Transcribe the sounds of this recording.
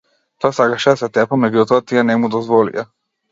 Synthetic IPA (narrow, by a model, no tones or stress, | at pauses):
t̪ɔasakaʃɛasɛt̪ɛpɔmɛɟut̪ɔat̪ianɛmud̪ɔzvɔlḭa